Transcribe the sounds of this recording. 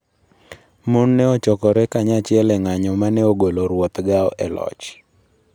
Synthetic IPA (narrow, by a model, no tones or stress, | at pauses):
monːɛɔt͡ʃɔkɔɾɛkaɲat͡ʃɪɛlɛŋaɲɔmanɛoɡoloɾwɔt̪ɡaɔ̰ʔɛlɔ̰t͡ʃ